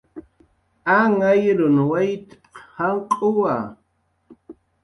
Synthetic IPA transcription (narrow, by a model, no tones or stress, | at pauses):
aŋajɾʊnwajt̪pqhaɴqʼʊwa